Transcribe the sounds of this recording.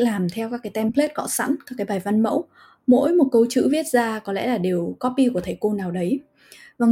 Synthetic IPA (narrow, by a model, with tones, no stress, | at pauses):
laː˨˩mt̪ʰɛ˧wkaː˦˥kaː˨˦jt̪ɛ˧mpʰle˦˥t̚kɔ̰˧˥sa̰˧˥nkaː˦˥kaː˨˦jɓaː˨˩jva˧nmə̰˧˥w | mo̰˧˥jmo˨˩t̚kə˧wt͡ɕɨ̰˧˥vi˦˥ət̚zaː˧kɔ˨˦lɛ̰˧˥laː˨˩ɗe˨˩əwkɔ˦˥p̚ːi˧ku˧˩t̪ʰə˧˩jko˧naː˨˩wɗə˨˦j | vaː˨˩